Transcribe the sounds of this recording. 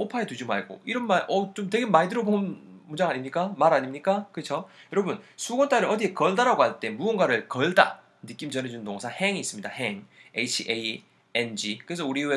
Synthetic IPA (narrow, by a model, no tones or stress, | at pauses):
opʰaetud͡ʑima̰ɭɡo̰iɾʌnmaɭʔʌt͡ɕomteɡe̞maidɯɾobonɯnmund͡ʑaŋaɲimɲik͈amaɾaɲimɲik͈akɯt͡ɕʰojʌɾʌbunsʰuɡʌnt͈ʰaɾɯʌdiekʌɭdaɾaɡohaɭt͈e̞muʌnɡwaɾɯɭkʌɭda̰ | nɯk͈imd͡ʑʌnɦe̞d͡ʑunntoŋsʰahe̞ŋiːs͈ɯmɲidaheŋeit͡ɕʰiʔe | end͡ʑikɯɾesʰʌuɾiwe